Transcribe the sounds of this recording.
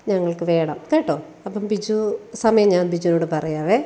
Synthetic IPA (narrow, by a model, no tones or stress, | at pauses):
ɲɐŋːɐɭkɨʋe̞ːɳɐ̰mkeːʈːoː | ɐpːɐmbid͡ʑusɐmɐjɐmɲaːnbid͡ʑunoːɽɨpɐrɐjaːʋe